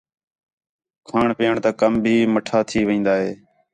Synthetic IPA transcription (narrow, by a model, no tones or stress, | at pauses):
kʰaːɳpeːəɳt̪aːkəmbʱiːməʈʰaːt̪ʰiːʋɪĩːnd̪aːɦeː